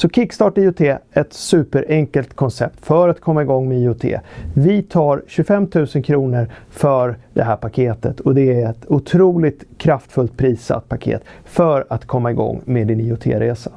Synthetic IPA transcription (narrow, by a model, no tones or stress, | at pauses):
sɔkʰɪkːst̪ɑːʈiːʊt̪ʰeːɛt̪sʉ̟ːpəɾʔɛŋkəlt̪kʰɔnsɛp̚t̪fœɾat̪kʰɔmːaɪɡɔŋːmeiːʊt̪ʰḛːvɪt̪ʰɑːɾɕɵfɛmːt̪ʰʉ̟ːsənkʰɾuːnəɾfœɾd̪ɛ̰ɦæːɾpakʰeːt̪ət̪ʰɔd̪ɛæɾɛt̪ʊt̪ʰɾuːlɪt̪kʰɾaft̪fɵlt̪̚pʰɾiːsa̰t̪̚pʰakʰḛːt̪ | fœɾat̪kʰɔmːaɪɡɔ̰ŋːmeːd̪ɪniːʊt̪ʰḛːɾeːsḁ